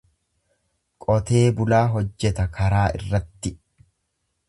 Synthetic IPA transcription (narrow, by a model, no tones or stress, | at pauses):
kʼɔt̪e̞ːbʊlaːɦɔd͡ʒːɛt̪ɐkʰɐɾaːʔɪ̰rːɐt̪ːɪ